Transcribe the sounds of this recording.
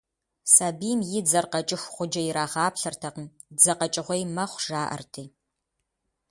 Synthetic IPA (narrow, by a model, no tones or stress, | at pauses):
saːbiːmjɪd͡zɐrqɐt͡ʃʼɪxʷχʷʊd͡ʒɐjɪɾaːʁɑːpɬɐrtʰɐqn | d͡zɐqɐt͡ʃʼɪʁʷɔjmɐχʷʒ̥aːʔɐ̰rtʰiː